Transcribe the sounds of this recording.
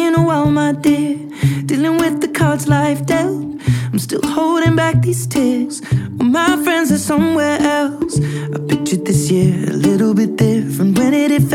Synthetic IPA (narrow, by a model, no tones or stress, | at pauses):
ɨ̃nəwamaɪdɪɹ | d̥ilˠɪ̃ŋwɪðɨkʰɑɹdzlaɪfd̥ɛl | ãɪ̃mstɪ̰lˠhoʊlˠɾɪ̃ŋbæk̚ðiz̥tʰɪɹz̥əmaɪfɹɛ̃ndzə˞sʌ̃mwɛɹʔɛlˠsaɪpʰɪk̚t͡ʃɨt̪̚ðɪsjɪɹɨ̰lɪɾl̩ˠbɪt̪̚ðə˞fə̃nwɨ̃ɾ̃ɪɾɨf